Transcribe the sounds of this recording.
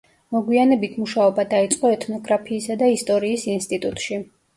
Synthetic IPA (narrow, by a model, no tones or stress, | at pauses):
mɔɡwianɛbit̪ʰmuʃaɔbad̪ait̪sʼqʼɔɛt̪ʰnɔɡɾapʰiːsad̪aist̪ʼɔɾiːsinst̪ʼit̪ʼut̪ʼʃi